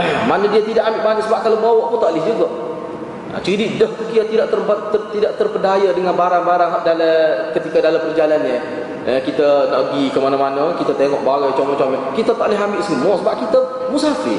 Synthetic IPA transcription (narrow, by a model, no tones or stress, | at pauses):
manədiat̪idaʔambɪʔmanəʔsəbap̚kalobawɔʔput̪aʔlɪhd͡ʒuɡa | ʔa̰t͡ʃəididəhkukiat̪idaʔt̪ərbat̪ət̪idaʔt̪ərpəndajadəŋanbaɾaŋbaɾaŋɦaʔdaləkət̪ikadalampərd͡ʒalanɲə | əkit̪ənaʔɡikəmanamanəkit̪at̪eŋɔʔ̚bawət͡ʃoŋɔt͡ʃamɛkit̪at̪aʔlɪɦambɪʔsimɔsəbap̚kit̪ə | musaafḭ